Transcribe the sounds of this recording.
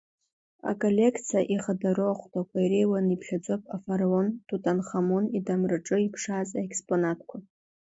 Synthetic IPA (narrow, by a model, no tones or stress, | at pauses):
a̰kʼolʲe̞kʰt͡sʰijaʔiχadaɾoaχʷtʰʼakʷʰajɾejwanipʰɬʲad͡zopʼafaɾaontʰutʼanχamonidamrɨʈ͡ʂʼɨipʰʂazʼaekʰspʼonatʰkʷʰa